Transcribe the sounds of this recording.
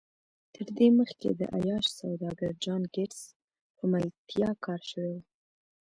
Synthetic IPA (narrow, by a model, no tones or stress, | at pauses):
t̪ʰəɾd̪eməxkḛd̪ə̰ʔa̰jɑʃsawd̪ɑɡaɾd͡ʒɑnɡɪʈs | pəmalt̪ʰjɑkʰɑɾʃəwew